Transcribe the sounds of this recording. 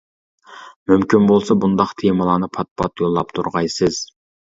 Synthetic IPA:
mymkʲʰinbolˠsɑbund̪ɑqt̪ʰemɨlˠɑːnɨpʰɑt̪̚pʰɑt̪jolˠːɑpt̪ʰuɾʁɑjsɨz̥

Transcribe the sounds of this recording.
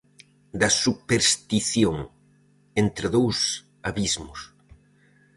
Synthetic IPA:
d̪ɐsupeɾst̪iθjoŋ | ent̪ɾɪðows | aβizmʊs

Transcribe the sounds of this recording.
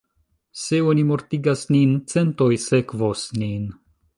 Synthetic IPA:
seonimo̞ɾtiɡasnint͡se̞nt̪o̞jsekvosnin

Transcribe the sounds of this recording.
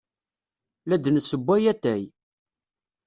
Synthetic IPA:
læd̪nəsəbʷːæjæt̪ːæj

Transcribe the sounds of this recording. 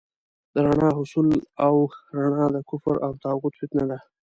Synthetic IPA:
d̪əɾaɳɑɦʊsulawɾaɳɑd̪əkʊfɾawt̪ɑɣʊt̪fɪt̪nad̪a

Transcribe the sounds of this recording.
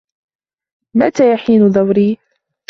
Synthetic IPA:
mat̪aːjaħiːnʊðˤawɾiː

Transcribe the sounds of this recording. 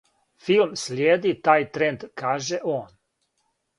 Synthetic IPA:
filmslʲjeːd̪it̪aːjt̪ɾend̪kaːʒeʔoːn

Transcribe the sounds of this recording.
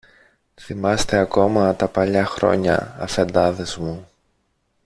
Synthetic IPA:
θimɐst̪e̞ɐko̞mɐt̪ɐpɐʎɐxɾo̞̰ɲɐ̰ɐ̰fend̪ɐðe̞zmu

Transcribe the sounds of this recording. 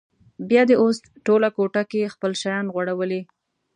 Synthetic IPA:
bjɑd̪eʔosʈolakoʈakexpəlʃajɑnɣwaɽawəli

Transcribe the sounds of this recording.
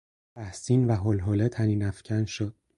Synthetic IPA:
t̪ʰæhsiːnvæɦolɦoːlet̪ʰæniːnæfcʰænʃod̪̥̚

